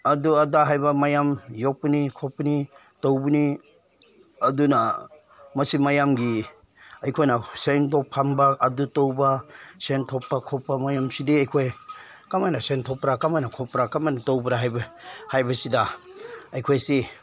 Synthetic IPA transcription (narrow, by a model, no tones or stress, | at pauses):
ɐduɐdaɦajbamajamjok̚pinikʰopːnitowbuni | ɐduna | mɐsimajamɡi | ɐjkʰojnasentɔpʰambaːdutowbasentʰɔpːakʰɔpːamajamsidiɐjkʰoj | kamajnasentʰɔpɾakamajnakʰɔpɾakamajnatowbɾaɦajbahajbɐsidaɐjkʰojsi